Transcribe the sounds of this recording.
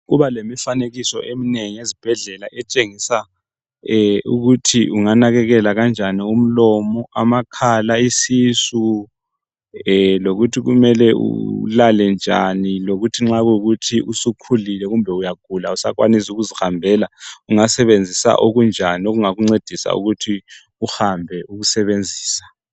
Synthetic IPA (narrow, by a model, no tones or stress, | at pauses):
ɣuβalemifaneɣisɔ̰ʔemineŋiezib̥ʱɛɮɛlaʔɛt͡ʃʼeŋisa | ṵɣutʰiuŋanaɣɛɣɛlaɣand͡ʒʱanium̩lɔmɔamakʰalaisisu | loɣutʰiɣumɛlɛṵlalɛnd͡ʒʱaniloɣutʰiŋ͡ǁaɣɣutʰiʔusukʰulilɛɣumbʱɛujaɡ̥ʱulausa̰kwa̰nisuɣuzihambʱɛːlauŋasɛβend͡zʱisa̰ʔoɣund͡ʒʱanioɣuŋaɣuŋ͡ǀed̥ʱisa̰ṵɣutʰi | uhambʱɛuɣusɛβend͡zʱiːsḁ